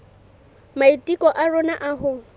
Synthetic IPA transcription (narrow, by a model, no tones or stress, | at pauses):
maitʼikʼɔʔarʊnaʔaɦʊ